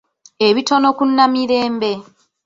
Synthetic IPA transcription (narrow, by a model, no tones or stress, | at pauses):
eβitono̞kunːamiɾe̞ːmbe̞